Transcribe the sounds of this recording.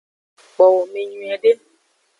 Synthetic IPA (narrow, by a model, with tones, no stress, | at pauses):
k͡pɔ˨wo˨me˨ɲũ˨ɛ˨ɖe˦